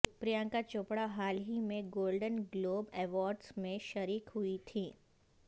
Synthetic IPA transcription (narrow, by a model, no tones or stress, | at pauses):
pɾijãŋkat͡ʃoːpɽaɦaːlɦimẽɡoːlɖənɡloːbɛːʋɔːɾɖsmẽʃəɾiːkɦuit̪ʰiː